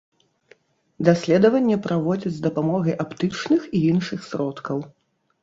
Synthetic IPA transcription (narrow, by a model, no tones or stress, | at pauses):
d̪asʲlʲɛd̪ɐvɐnʲːɛpɾavɔd͡zʲɐd͡zʲzd̪ɐpamɔɣɐjʔapt̪ɨt͡ʂnɨxiinʂɨxsʲɾɔt̪kɐw